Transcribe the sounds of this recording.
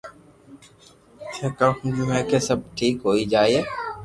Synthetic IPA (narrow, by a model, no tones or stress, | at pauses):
t͡ʃʰeːkãːhũd͡ʒũːɦɛːkeːsəb̚ʈʰiːkɦoːiːd͡ʒaːieː